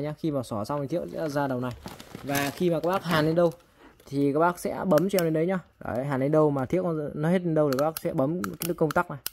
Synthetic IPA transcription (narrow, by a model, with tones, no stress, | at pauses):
jɲaː˧xi˧maː˨˩sɔ˧˩sa˧wa˨˩t̪ʰi˦˥ək̚sɛ̰˧˥˧zaː˧ɗə˨˩wna˨˩jvaː˨˩xi˧ma˨˩a˦˥k̚ɓaː˦˥k̚haː˨˩nɗə˨˧˦ɗə˧w | t̪ʰi˨˩kaː˦˥k̚ɓaː˦˥k̚sɛ̰˧˥ɓə˨˦mt͡ɕwne˧nɗə˨˦jɲa˧ɗa̰ː˨˩˨ɦaː˨˩nɗə˧˦ɗə˧wmaː˨˩t̪ʰi˦˥ək̚nɔ˨˦he˦˥t̚e˧nɗə˧wt̪kaː˦˥ɓa˥k̚sɛ̰˧˥ɓə˨˦mka˨˦ɗɨ˦˥kə˧wŋ͡mt̪aː˦˥k̚na˨˩j